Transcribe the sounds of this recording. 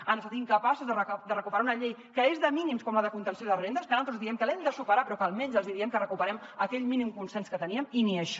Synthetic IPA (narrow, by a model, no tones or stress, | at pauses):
ənəst̪at̪iŋkəpasuzðərəd̪ərəkupəɾaunəʎejkəezðəminimskɔmləðəkunt̪ənsjoðəβɾend̪əspənalˠt̪ɾuzðiɛmkəlɛmd̪əsupəɾapɾɔkəlˠmɛɲzəlzðiɾiɛmkərəkupəɾɛməkɛʎminimkunsɛnskət̪əniəminiəʃ